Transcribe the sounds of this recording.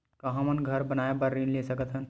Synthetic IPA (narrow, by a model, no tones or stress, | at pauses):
kəɦə̃mənɡʱəɾbənaebəɾːinlesəkət̪ɦən